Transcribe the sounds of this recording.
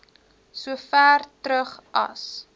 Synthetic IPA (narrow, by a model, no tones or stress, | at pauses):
suəfæːrtɾəχʔɐ̰s